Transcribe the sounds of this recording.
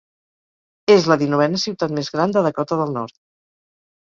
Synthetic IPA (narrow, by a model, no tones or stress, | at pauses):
ezləðinuβɛnəsiwt̪at̪mezɣɾand̪əðəkɔt̪əðəlˠnɔɾt̪̚